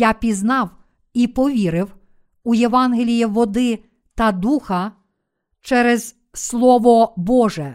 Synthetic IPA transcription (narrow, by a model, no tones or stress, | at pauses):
jɑpʲiznɑw | ipɔʋʲiɾɪw | ujeʋɑnɦelʲijiʋɔd̪ɪ | t̪ɐd̪uxɐ | t͡ʃɛɾɛz̥ | slˠɔʋɔbɔʒɛ